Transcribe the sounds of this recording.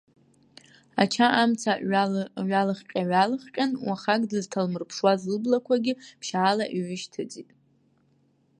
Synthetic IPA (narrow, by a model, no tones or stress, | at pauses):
at͡ʃʰaʔamt͡sʰa | ɥalɨχqʲʼaɥalɨχqʲʼanwaχakʼdɨztʰalmɨrpʰʂwazɨlblakʷʰaɡʲɪpʰʃaːlaʔiɥɪʃtʰɨd͡zʼitʼ